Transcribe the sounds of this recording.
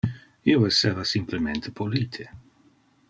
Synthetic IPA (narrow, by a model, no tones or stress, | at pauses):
ioesːeːvasimplement̪ʰepoliːt̪ʰe